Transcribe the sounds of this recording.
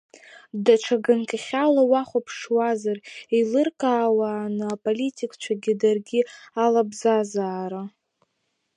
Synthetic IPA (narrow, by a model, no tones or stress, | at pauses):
daʈ͡ʂʰaɡankʲʼaχʲalawaχʷapʰʂwazarilɨrkʼaːwaːnɨapʼolitʲʼikʰʼt͡ʃʷʰaɡʲɪdarɡʲialabzazaːɾa